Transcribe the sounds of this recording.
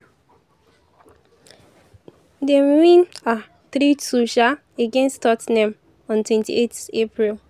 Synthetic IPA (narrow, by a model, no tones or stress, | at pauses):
dewĩna | θɾituʃa | eɡɛ̃nstʰɔtnɛ̃m | ɔ̃ntwɛ̃ntḭetepɹil